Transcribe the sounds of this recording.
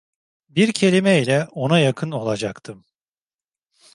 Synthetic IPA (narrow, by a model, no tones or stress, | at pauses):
biɾcʰe̞lʲimɛilʲɛo̞najakʰɯno̞lˠad͡ʒakt̪ʰɯm